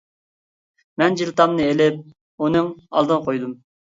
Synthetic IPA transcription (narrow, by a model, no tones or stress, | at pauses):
mɛnd͡ʒilˠt̪ɑmnɨelɪp̚ | unɨŋɑ̰lˠd̪ɨnqʰojd̪um